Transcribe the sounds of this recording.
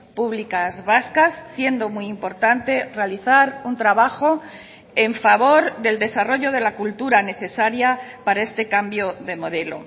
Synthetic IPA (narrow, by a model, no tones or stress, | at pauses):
puβlikazβaskasːje̞nd̪o̞muimpo̞ɾt̪ant̪e̞re̞aliθaɾunt̪ɾaβaxo̞ | e̞ɱfaβo̞ɾðe̞ld̪e̞saro̞ʝo̞ð̞e̞lakult̪uɾane̞θe̞saɾjapaɾae̞st̪e̞kambjo̞ðe̞mo̞ð̞e̞lo̞̰